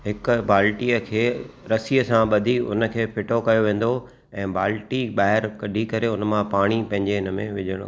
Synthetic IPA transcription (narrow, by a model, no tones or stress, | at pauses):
ɦɪkʊ̆baːlʈijəkʰeːɾɐsiəsãɓɐd̪ʱiʊ̰nə̆kʰeːpʰɪʈʰokɐjoʋẽːn̆d̪o | ɛ̃ːbaːlʈiɓaːɦɪɾkɐɖʱikɐɾeʊnəmãpaːɽ̃ipɐ̃ɦɪ̃ɲd͡ʑeɪnəmḛ̃ʋɪʄʱəɽ̃o̰